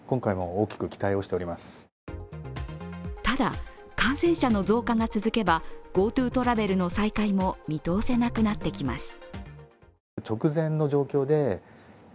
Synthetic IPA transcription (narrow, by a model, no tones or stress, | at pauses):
kõ̞ŋkaimo̞oːkʲi̥kɯ̟kʲi̥t̪aio̞ɕi̥t̪e̞oɾʲimasɨ̥ | t̪ad̪a̰ | kãɰ̃sẽ̞ɰ̃ɕano̞zo̞ːkaŋat͡sɨzɨke̞baɡ̥o̞ːt̪ɯ̟ːt̪o̞ɾabe̞ɾɯ̟no̞saikaimo̞mʲit̪o̞ːse̞nakɯ̟nat̪ːe̞kʲima̰sɨ̥ | t͡ɕo̞kɯ̟zẽ̞nːo̞ʑo̞ːkʲo̞ːd̪e̞